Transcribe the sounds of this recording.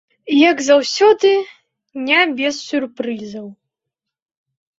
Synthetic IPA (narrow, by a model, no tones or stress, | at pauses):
jɐɡzawsʲɔd̪ɨ | nʲabʲɛsːʲurpɾɨzɐw